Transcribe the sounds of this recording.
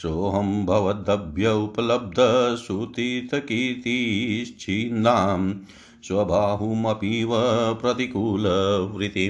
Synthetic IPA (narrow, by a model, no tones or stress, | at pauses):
ʃoːɦɐmbʱɐʋɐd̪ɐbʱjɐupɐlɐb̚d̪ʱɐsut̪iːt̪ɐkiːt̪ist͡ʃʰiːnaːm | sʋɐbʱaːɦumɐpiːʋɐpɾɐt̪ikuːlɐʋɾit̪i